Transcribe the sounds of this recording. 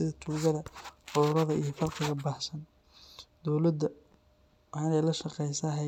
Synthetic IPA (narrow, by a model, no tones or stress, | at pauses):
ɪðɐt̪ʰuːɣɐðɐħʊðʊɾɐðɐijɞfɐlqɪɣɐbaːħsɐn | d̪ɔwlɐd̪ːɐ | wɑħɑːnɛjlɐʃɐqɛjsɐɦɛ